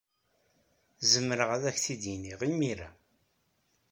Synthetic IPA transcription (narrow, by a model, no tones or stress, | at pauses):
zəmːəɾəʁæðæçθid̪jiniʁimiɾæ̰